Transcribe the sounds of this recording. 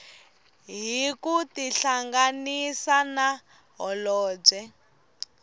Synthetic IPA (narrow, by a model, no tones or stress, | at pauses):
ɦikutiɬaŋɡanisana | ɦɔlɔːb͡ʐɛ